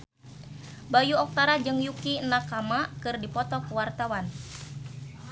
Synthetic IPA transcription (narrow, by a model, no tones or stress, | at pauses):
bajuɔk̚t̪aɾad͡ʒɨŋjukinakamakɨrdipɔt̪ɔkuwart̪awan